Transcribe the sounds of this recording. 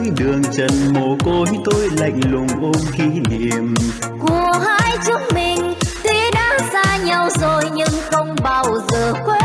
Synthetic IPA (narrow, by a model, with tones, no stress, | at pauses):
jɗɨ˨˩əŋt͡ɕə˨˧˩nmo˨˩ko˧˦jt̪o˧jla̰˧˨jŋ̟lʊ˨˩ŋ͡mʔo˧mxi˧˦ni˨˩əm | ku˧˩əɦaː˧jt͡ɕʊ˦˥ək͡p̚mï˨˩ŋ̟t̪wi˧ɗa̰ː˧˥zaː˧ɲa˧wzo˨˩jɲɨ˧ŋxə˧wŋ͡mɓaː˧˩wzəː˨˩kwe˦˥